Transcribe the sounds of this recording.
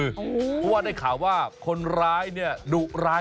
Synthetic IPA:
ɯ˧˩pʰɔ˦˥˩waː˥˩daː˥˩jkʰaː˩˦waː˥˩kʰo˧nɾaː˦˥jni˥˩ɐdu˨˩ʔ̚ɾaː˦˥

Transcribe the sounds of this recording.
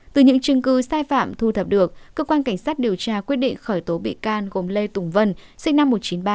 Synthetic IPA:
t̪ɨ˨˩ɲɨ̰˧˥ŋt͡ɕɨ˧ŋkɨ˧saː˧jfa̰ː˧˨mt̪ʰu˨˧˩t̪ʰə˨˩p̚ɗɨ˨˩ək̚kːəː˧kwaː˧nka˧˩ŋ̟saː˦˥t̚ɗi˨˩əwt͡ɕaː˧kwi˦˥ət̚ɗḭ˧˨ŋ̟xəː˧˩jt̪o˨˦ɓḭ˧˨kaː˧nɣo˨˩mle˧t̪ʊ˨˧˩ŋ͡mvə˧nsï˦˥k̟na˧mːo˨˩t̚t͡ɕi˨˦nɓaː˧

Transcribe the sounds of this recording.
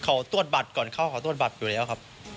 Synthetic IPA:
kʰa˨˩˦wt̪u˥˩ət̪̚ba˨˩t̪̚kɔː˨˩nkʰa˥˩wkʰːt̪u˥˩ət̪̚ba˨˩t̪̚juː˨˩lɛː˦˥wkʰa˦˥p̚

